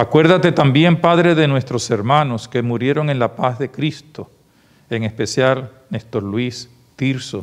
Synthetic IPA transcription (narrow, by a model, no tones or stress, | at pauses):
akwe̞ɾðat̪e̞t̪ambje̞mpaðɾe̞ðe̞nwe̞st̪ɾo̞se̞ɾmano̞ske̞muɾje̞ɾo̞ŋe̞nlapazðe̞kɾist̪o̞ | eŋe̞spe̞sjal | nest̪olwis | t̪iɾso